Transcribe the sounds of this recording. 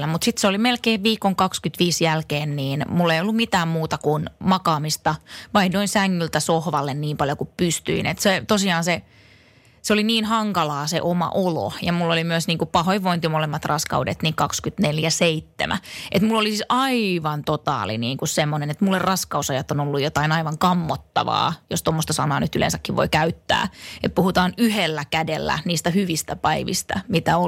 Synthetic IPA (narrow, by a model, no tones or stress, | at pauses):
æmut̪sit̪seolimelkeːʋʋiːkoŋkɑkskyt̪ʋiːsjælkeːnniːnmulːeijolːumit̪æːmmuːt̪ɑkunmɑkɑːmist̪ɑʋɑinnoinsæŋːylt̪æsohʋɑlːenniːmpɑljokuppyst̪y̰inḛt̪set̪osiɑːnse | seoliniːnhɑŋkɑlɑːsḛʔomɑ̰ʔolo̰jɑmulːolimyøsniːŋkupɑhoiʋoint̪imolemːɑt̪rɑskɑ̰udḛt̪niːŋkɑkskyt̪neljæseit̪ːḛmʔæ̰ʔet̪mulːolisisʔɑiʋɑnt̪ot̪ɑ̰ːlḭniːŋkussemːonenet̪mulːerɑskɑusɑjɑt̪ːonolːujot̪ɑinɑiʋɑŋkɑmːot̪ːɑ̰ʋɑ̰ːjost̪omːost̪ɑsɑnɑːnyt̪ylḛnsækːiʋʋo̰ikæyt̪ːæ̰ːet̪̚puhut̪ɑːnyhelːækædelːæ̰niːst̪æhyʋist̪æpɑiʋḭst̪æ̰mit̪æo